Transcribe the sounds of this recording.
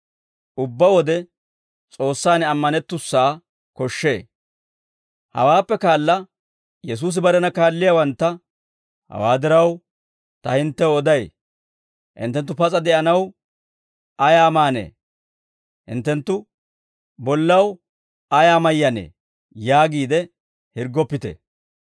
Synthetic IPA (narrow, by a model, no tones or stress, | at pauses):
ʊbːɐwɔd̪ɛ | t͡sʼo̞ːsːaːnɐmːɐnɛt̪ːʊsːaː | kɔʃːḛː | hɐ̰waːpːɛkaːlːɐ | jɛs̬uːs̬ɪbɐɾɛnɐkaːlːɪjawɐnt̪ːɐ | hɐ̰waːd̪ɪɾɐw | t̪ɐhɪnt̪ːɛwɔd̪ɐj | hɪ̰nt̪ːɛnt̪ːʊpɐt͡sʼɐd̪ɛʔɐnɐw | ɐjaːmaːnḛː | hɪ̰nt̪ːɛnt̪ːʊ | bɔlːɐw | ɐjaːmɐjːɐnḛː | jaːɡiːd̪ɛ | hɪɾɡɔpːɪt̪ɛ̰